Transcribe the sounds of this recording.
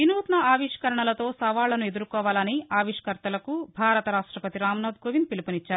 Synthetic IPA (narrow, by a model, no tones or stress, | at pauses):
inuːt̪nɐaːʋiʂkɐɾɐɳɐlɐt̪o̞ːsɐʋaːɭːɐnue̞d̪uɾukɔːʋaːlɐniaːʋiʂɐ̥kɐɾt̪ɐlɐkubʱaːɾɐt̪ɐɾaːʂʈɾɐpɐt̪iɾaːmnaːd̪ɡoːʋind̪̚pilipɐnit͡ʃːaːɾu